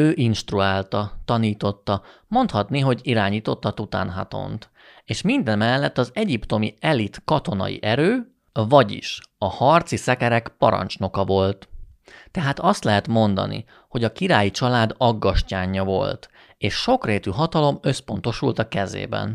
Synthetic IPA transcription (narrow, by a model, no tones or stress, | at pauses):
øːʔinʃt̪ruaːlt̪ɒt̪ɒniːt̪o̞t̪ːɒ | mo̞nt̪hɒt̪niɦo̞ɟiɾaːɲiːt̪o̞t̪ːɒt̪ut̪a̰ːnɦa̰t̪o̰nt̪ | eːʃmind̪ɛnmɛlːɛt̪ːɒzɛɟipt̪o̞mḭɛlit̪kɒt̪o̞nɒ̰jḭʔɛɾøː | vɒɟḭʃɒhɒrt̪sisɛkɛɾɛkpɒ̰ɾɒ̰nt͡ʃno̞kɒvo̞lt̪t̪ːɛɦaːt̪ɒst̪lɛɦɛt̪mo̞nd̪ɒ̰nḭ | ho̞ɟɒkiɾaːjit͡ʃɒlaːd̪ɒɡːɒʃcaːɲːɒvo̞̰lt̪ | eːʃʃo̞kreːt̪yɦɒt̪ɒlo̞møspo̞nt̪o̞ʃult̪ɒkɛzḛːbɛ̰n